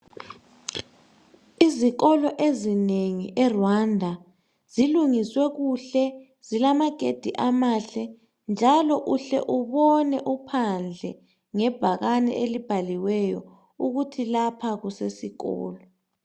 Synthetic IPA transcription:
iziɣɔlɔʔezineŋiʔɛrwandʱa | ziluŋiswɛɣuɬɛ | z̥ilamaɡ̥ʱed̥ʱiʔamaːɬɛ | nd͡ʒʱalɔʔuɬɛ̰ʔuβɔnɛʔupʰand͡ɮʱɛ | ŋɛb̥ʱaɣanɛ̰ʔelib̥ʱaliwɛjɔ | uɣutʰilapʰaɣusesiɣɔ̰ːlɔ

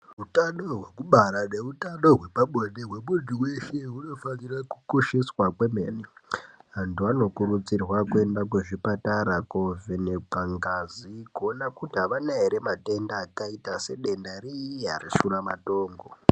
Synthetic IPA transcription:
utano̞ɦwe̞kuɓaɾaneutano̞ɦwe̞paɓoɗeɦweɓuɗiwe̞ʃeɦuno̞fanirakukoʃiswakwemeniɦantuano̞kuɾut͡sirwakue̞ndak̬weʐipataɾakovenekaŋɡazikuonakutiɦaʋanaɦeɾemate̞ndaːkaitase̞ɗe̞ndariiɦa̰rḭsuramato̞ːŋɡo̞

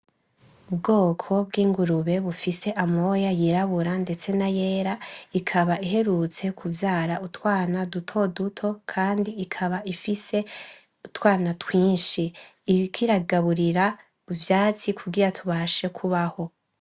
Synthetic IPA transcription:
ubɡo̞ːkʰo̞b̚ɡiːŋɡuɾuβe̞βufise̞ʔamo̞jajiɾaβuɾande̞t͡se̞naje̞ːɾaikʰaβaiɦe̞ɾut͡se̞kʰuvjaːɾautwaːnadutʰo̞dutʰo̞kʰaːndiːkʰaβaifise̞ | utwaːnatwiːnʃiː | kʰiɾaɡaβuɾiɾa | uvjaːt͡sikʰuɡiɾatʰuβaʃe̞kʰuβaho̞

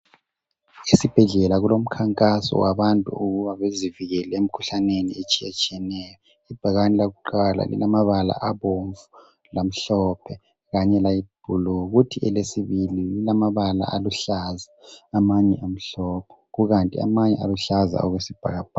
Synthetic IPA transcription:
isib̥ʱɛɮɛlaɣulom̩kʰaŋkʼasɔ̰waβantʼṵuɣuβaβeziviɣɛlɛem̩kʰuɬanenḭet͡ʃʼiɛt͡ʃʼijɛnɛːjɔ | ib̥ʱaɣanilaɣuǃala̰lḭlamaβala̰ʔaβoɱvu | lam̩ɬɔpʰɛ | ɣaɲɛlajib̥ʱulɔɣutʰiʔɛlesiβilililamaβala̰aluɬazaːmaɲɛʔam̩ɬɔpʰɛ̥ɣuɣantʼia̰maɲɛa̰luɬaza̰ɔɣwesib̥ʱa̰ɣab̥̚ʱa

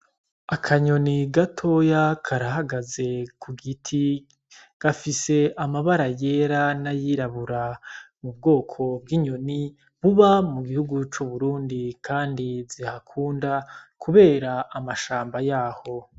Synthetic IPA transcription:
akʰaɲo̞niɡatʰo̞jakʰaɾaɦaɡaze̞kʰuɡitʰi | ɡ̥afise̞ʔamaβaɾaje̞ɾanajiɾaβuɾa | mubɡo̞ːkʰo̞bɡiɲo̞ni | βuβamuɡihuɡut͡ʃuβuɾuːndikʰaːndizihakʰuːndakʰuβe̞ːɾaʔːmaʃaːmbajaːho̞

